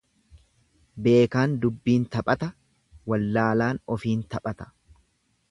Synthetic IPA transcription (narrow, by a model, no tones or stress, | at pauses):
be̞ːkaːnd̪ʊbːiːnt̪ɐpʼɐt̪ɐ | wɐlːaːlaːnɔfiːnt̪ɐpʼɐt̪ɐ̥